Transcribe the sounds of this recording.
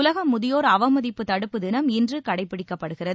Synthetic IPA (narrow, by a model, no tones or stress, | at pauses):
ʊlɐɣɐmːʊðɪjoːɾɐʋɐmɐðɪpːɯt̪ɐɽɯpːɯd̪ɪnɐmɪndrɯkɐɽɐɪpːɪɽɪkːɐpːɐɽɯɣɪrɐðɯ